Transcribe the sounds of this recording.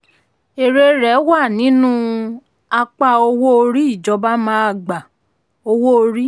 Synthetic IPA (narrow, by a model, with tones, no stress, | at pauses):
e˨ɾe˧ɾɛ˨˦wa˦˨nĩ˨˦nũ˦ | a˧k͡pa˧o˧wo˦o˧ɾi˦i˦˨d͡ʒɔ˧˦ba˦mãː˦a˧˨ɡ͡ba˨ | o˧wo˦o˧ɾi˦